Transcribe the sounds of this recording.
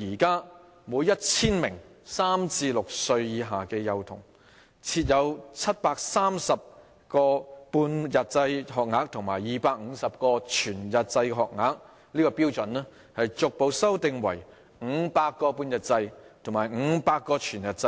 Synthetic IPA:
jiː˨˩kaː˥ | muː˨˧˥jɐ˥t̚t͡sʰiː˥nmɪ˨˩ŋ | saː˥mt͡siː˧lʊ˨k̚sɵ˧ɥjiː˨˧ɦaː˨˩kɛː˧jɐ˨wt̪ʰʊ̰˨˩ŋ | t͡sʰiː˧t̚jɐ˨˧wt͡sʰɐ˥t̚paː˧k̚saː˥msɐ˨p̚ | kɔː˧puː˧njɐ˨t̚t͡sɐ˧jɦɔː˨k̚ŋaː˨˥k̚t̪ʰʊ˨˩ŋmaː˨˩jiː˨paː˧k̚ŋ̩˨˧˥sɐ˨p̚kɔː˧t͡ʃʰyː˨˩njɐ˨t̚t͡sɐ˧jɦɔː˨k̚ŋaː˨˥k̚ | liː˥kɔː˧piː˥wt͡sɵ˨˥nɛ˥ | hɐ˨jt͡sʊ˨k̚po˨˧wsɐ˥wt̪ɪ˨ŋwɐ˨˩j | ŋ̩˨˧˥paː˧t̚kːɔː˧puː˧njɐ˨t̚t͡sɐ˧jt̪ʰʊ˨˩ŋmaː˨˩jŋ̩˨˧˥paː˧t̚kːɔː˧t͡ʃʰyː˨˩njɐ˨t̚t͡sɐ˧

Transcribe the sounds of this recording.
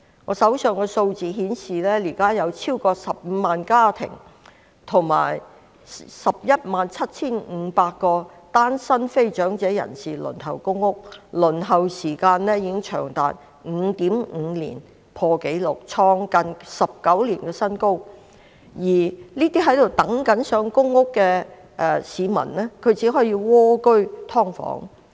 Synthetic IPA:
ŋɔ̰ː˨˧sɐ˨˥wsœː˨ŋkɛ˧so˧wt͡siː˨ɦiː˨˥nsiː˨lɛː˥liː˨˩kaː˥jɐ˨˧wt͡sʰiː˥wkɔː˧sɐ˨p̚m̩˨˧maː˨nkaː˥t̪ʰɪ̰˨˩ŋ | t̪ʰʊ˨˩ŋma̰ː˨˩j | sɐ˨p̚jɐ˥t̚maː˨nt͡sʰɐ˥t̚t͡sʰiː˥nŋ̩˨˧paː˧k̚kːɔː˧ | t̪aː˥nsɐ˥nfe˥jt͡ʃœː˨˥ŋt͡sɛː˨˥jɐ̰˨˩nsiː˨˩lɵ̰˨˩nɦɐ̰˨˩wkʊ˥ŋːʊ˥k̚lɵ˨˩nɦɐ˨wsiː˨˩kaː˧nlɛː˥jiː˨˧˥ɪ˥ŋt͡ʃʰœ̰ː˨˩ŋt̪a̰ː˨t̚ | ŋ̩˨˧t̪iː˨˥mŋ̩ː˨˧lḭː˨˩n | pʰɔː˧ke˨˥jlʊ˨k̚t͡sʰɔː˧ŋkɐ˧nsɐ˨p̚kɐ˨˥wliː˨˩nkɛː˧sɐ˥nko˥w | jiː˨˩niː˥t̪iː˥ɦɐ˨˥jt̪o˨wt̪ɐ˨˥ŋkɐ˨˥nsœː˨˥ŋkʊ˥ŋːʊ˥kːɛː˧ | ʔɛ˨˧siː˨˧mɐ̰˨˩nlɛ˥kʰɵ˨˧ɥt͡siː˨˥ɦɔː˨˥jiː˧wɔː˥kɵ˥ɥt̪ʰɔː˥ŋfɔ̰ː˨˥ŋ

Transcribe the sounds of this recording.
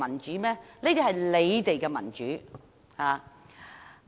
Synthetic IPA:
ɐ˨˩nt͡ʃyː˨˥mɛː˥ne˥t̪i˨˩hɐ˨jle˨˧jt̪e˨jkɛː˧mɐ̰˨˩nt͡ʃyː˨˥ | haː˨

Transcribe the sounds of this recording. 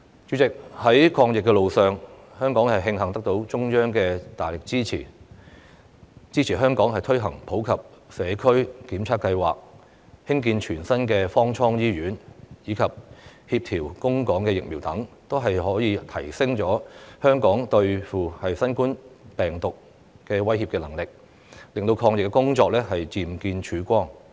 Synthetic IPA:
t͡ʃyː˨˥t͡sɪ˨k̚hɐ˨˥jkʰɔː˧ŋjɪ˨kːɛ˧lo˨wsœː˨ŋ | hœː˥ŋkɔː˨˥ŋhɐ˨jɦɪ˧ŋɦɐ˨˩ŋt̪ɐ˥k̚t̪o˨˥wt͡ʃʊ˥ŋjœː˥ŋkɛː˧t̪aː˨˩jlɪ˨k̚t͡siː˥t͡sʰḭː˨˩ | t͡siː˥t͡sʰiː˨˩ɦœː˥ŋkɔː˨˥ŋɦɐ˨jt̪ʰɵ˥ɥɦɐ˨˩ŋpʰo˨˥wkʰɐ˨p̚sɛː˨˧kʰɵ˥ɥkiː˨˥mt͡sʰaː˥tkɐ˧jwa̰ː˨k̚ | hɪ˥ŋk̬iː˧nt͡ʃʰyː˨˩nsɐ˥nkɛː˧fɔː˥ŋt͡ʃʰɔː˥ŋjiː˥ɥyː˨˥njiː˨˧kʰɐ˨p̚hi˧p̚t̪ʰiː˨˩wkʊ˥ŋkɔː˨˥ŋkɛː˧jɪ˨k̚mi˨˩wt̪ɐ˨˥ŋ | t̪o˥wɦɐ˨jhɔː˨˥jiː˨˧t̪ʰɐ˨˩jsɪ˥ŋt͡sɔː˨˥hœː˥ŋkɔː˨˥ŋt̪ɵ˧ɥfuː˨hɐ˨jsɐ˥nkuː˥npɛː˨˩ŋt̪ʊ˨k̚ | kɛː˧wɐ˥jhi˧pkɛː˧lɐ˨˩ŋlɪ˨k̚ | lɪ˨ŋt̪o˧wkʰɔː˧ŋjɪ˨kːɛ˧kʊ˥ŋt͡ʃɔː˧k̚lɛː˥ɦɐ˨jt͡siː˨˩mkiː˧nt͡ʃʰyː˨˥kʷɔː˥ŋ

